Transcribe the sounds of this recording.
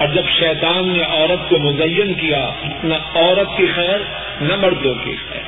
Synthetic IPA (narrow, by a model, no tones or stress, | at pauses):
ɔːɾd͡ʒɐbʃɛːt̪aːnːeʔɔːɾət̪komʊzɐjːənkijaʊtnaɔːɾət̪̚kixɛːɾ | nɐmɐɽd̪okḭxɛ̰ːɾ